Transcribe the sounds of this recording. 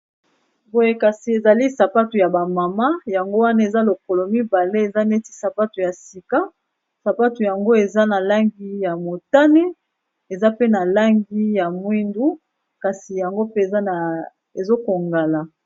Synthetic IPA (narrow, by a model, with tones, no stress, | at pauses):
bo˨je˦ka˨si˨e˨za˨li˦sa˨pa˦tu˨ja˨ba˨ma˨ma˦ja˨ŋɡo˦wa˦na˦e˨za˦lo˨ko˨lo˨mi˦ba˨le˦e˨za˦ne˦ti˦sa˨pa˦tu˨ja˨si˨ka˦ | sa˨pa˦tu˨ja˨ŋɡo˦e˨za˦na˨la˦ŋɡi˦ja˨mo˨ta˦ne˦ | e˨za˦pe˦na˨la˦ŋɡi˦ja˨mwi˦ndu˦ | ka˨si˨ja˨ŋɡo˦pe˦e˨za˦na˨ | e˨zo˦ko˨ŋɡa˨la˨